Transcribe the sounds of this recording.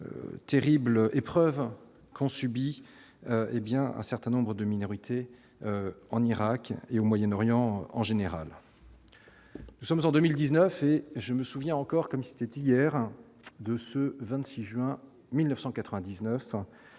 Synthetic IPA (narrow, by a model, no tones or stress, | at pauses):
ø̰t̪eʁiblʔepχœv | kɔ̃sybi | øebjɛ̃ɛ̰̃sɛʁt̪ɛ̃nɔ̃bʁəd̪əminɔʁit̪ʰe | øɑ̃niʁakeomwajɛnɔʁjɑ̃ɑ̰̃ʒeneʁa̰l | nusɔmzɑ̃d̪əmild̪iznœfeʒəməsuvjɛ̃ɑ̃kɔʁkɔmse̥t̪ɛt̪ijɛʁ | d̪əsəvɛ̃t̪siʒɥɛ̃ | milnəfsɑ̃kat̪χəvɛ̃d̪iznœf